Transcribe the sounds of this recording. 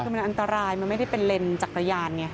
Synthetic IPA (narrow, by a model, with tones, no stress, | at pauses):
ɯː˧ma˧nʔa˧nt̪a˧ɾaː˧jma˧nma˥˩jda˥˩pe˧nle˧nt͡ɕaː˨˩k̚ɾa˧jaː˧nŋi˧˥˩